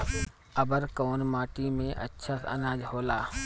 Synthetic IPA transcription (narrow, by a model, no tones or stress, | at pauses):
ɐbəɾkoːnmaːʈimẽʔɐ̰tːʃʰaːsɐ̰naːd͡ʒhoːlaː